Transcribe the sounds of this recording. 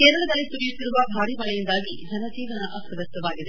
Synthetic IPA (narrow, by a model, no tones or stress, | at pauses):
keːɾɐɭɐd̪ɐlːisuɾijut̪ːiɾuʋɐbʱaːɽiʋɐɭɐjind̪aːɡid͡ʒɐnɐd͡ʒiːʋɐnɐʔɐk̪ɐʋɐst̪ɐʋaːɡid̪e